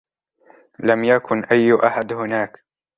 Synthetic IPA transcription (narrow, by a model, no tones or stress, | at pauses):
lamjakʰʊnʔajːʔaħad̪hʊnaːk